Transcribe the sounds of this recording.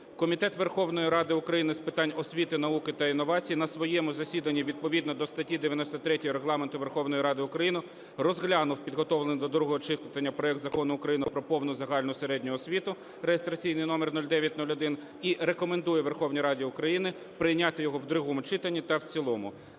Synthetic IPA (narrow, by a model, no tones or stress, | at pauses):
kɔmʲit̪ɛt̪ʋerxɔwnɔjiɾɑd̪ɪʊkɾɐjinɪspɪt̪ɑnʲɔsʲʋʲit̪ɪnɐukɪt̪ɐinːɔʋɑt͡sʲijinɐsʋɔjɛmʊzɐsʲid̪ɐnʲːiʋʲid̪̚pɔʋʲid̪nɔd̪ɔst̪ɐtʲid̪eʋʲjɐnɔsʲt̪ɔt̪ɾɛtʲɔjɔɾeɦlˠɑment̪ʊʋe̞rxɔwnɔjiɾɑd̪ɪʊkɾɐjinʊ | rɔzɦlʲɑnʊwpʲid̪ɦɔt̪ɔwlˠenʲjd̪ɔd̪ɾuɦɔɦɔt͡ʃɪt̪ɐnʲːɐpɾɔɛk̚d̪zɐkɔnʊʊkɾɐjinɪpɾɔpɔwnʊzɐɦɑlʲnʊseɾɛdʲnʲʊɔsʲʋʲit̪ʊ | rejest̪ɾɐt͡sʲijnɪjnɔmernulʲd̪ɛʋʲjɐt̚ʲnulʲɔd̪ɪn | iɾekɔmend̪ujɛʋerxɔwnʲiɾɑdʲiʊkɾɐjinɪ | pɾɪjnʲɑt̪ɪjɔɦɔwd̪ɾʊɦɔmʊt͡ʃɪt̪ɐnʲːit̪ɐwt͡sʲilˠɔmʊ